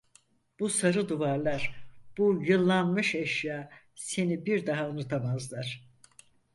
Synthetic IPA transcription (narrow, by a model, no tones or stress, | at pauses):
b̥usaɾɯd̪uvaɾlˠaɾ̥b̥ujɯlˠːanmɯʃɛʃjaː | se̞nibiɾd̪aɦaunut̪ʰamazlˠaɾ̥